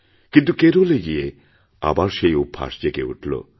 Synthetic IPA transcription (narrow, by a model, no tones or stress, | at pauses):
kint̪̬ukeɾoleɡie | a̰baɾʃejupʰːa̰ʃd͡ʑekeṵʈʰlo̰